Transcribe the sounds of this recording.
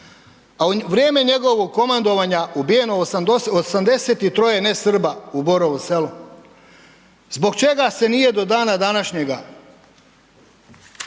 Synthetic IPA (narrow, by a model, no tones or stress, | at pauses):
aʋɾjeːme̞ɲe̞ɡo̞ʋoɡ̚ko̞mand̪o̞ʋaɲaubije̞no̞osamd̪e̞set̪it̪ɾo̞jenesr̩bauboɾoʋose̞lu | zbo̞ɡ̚t͡ʃe̞ɡase̞nije̞d̪o̞d̪aːnad̪anaʃɲe̞ɡa